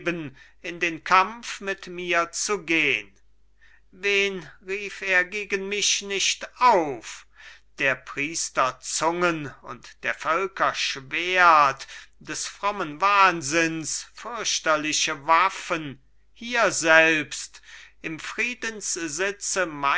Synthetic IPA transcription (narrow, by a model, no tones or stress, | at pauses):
bən | ɪndeːnkʰamfmɪtmiːɐt͡suɡeːən | veːnʁiːfeːɐɡeːɡənmɪʃnɪʃtaʊfd̥eːɐpʁ̥iːstɐt͡sʊŋənʊ̰ntd̥eːɐfœlkɐʃveːɐtd̥ɛsfʁ̥ɔmənvaːnzɪnsfʏɐɕtɐlɪʃəvafən | hiːɐzɛlpstʔɪmfʁ̥iːdənszɪt͡səma